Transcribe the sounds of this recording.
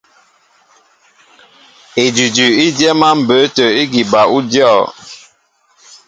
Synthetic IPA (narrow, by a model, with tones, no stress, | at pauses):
e˨d͡ʒi˨d͡ʒʉ˨i˦djɛ˦ma˦m̩˨bə˨˦tə˨i˦ɡi˨ba˨ʔu˦djɔ˦˨